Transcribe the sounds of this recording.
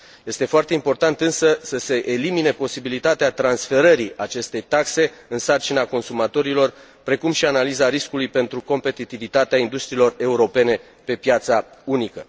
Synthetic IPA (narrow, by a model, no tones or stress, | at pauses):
je̞st̪e̞foart̪e̞impo̞rt̪ant̪ɨnsəsəse̞ʔelimine̞po̞sibilit̪at̪eat̪ɾansfe̞ɾəɾiat͡ʃe̞st̪e̞jt̪akse̞ɨnsart͡ʃinako̞nsumat̪o̞ɾilo̞r | pɾe̞kumʃianalizaɾiskulujpe̞nt̪ɾuko̞mpe̞t̪it̪ivit̪at̪eaind̪ust̪ɾiːlo̞re̞uɾo̞pe̞ne̞ | pe̞pjat̪saunikə